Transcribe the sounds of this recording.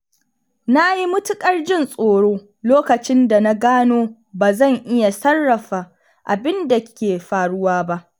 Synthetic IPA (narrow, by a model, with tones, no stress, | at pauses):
na˦ji˦mʊ˦tʊ˦kʼɐ˦rd͡ʒɪ˦˨nsʼoː˨ɽoː˦ | loː˦kɐ˨t͡ʃɪ˦nda˨na˦ɡaː˦noː˦ | baː˨zɐ˦˨ŋʔɪ˦ja˨sɐ˦rːɐ˨ɸaː˨ | ʔa˨bɪ˦nda˨kʲeː˨ɸaː˨ɽʊ˦waː˦ba˦ʔ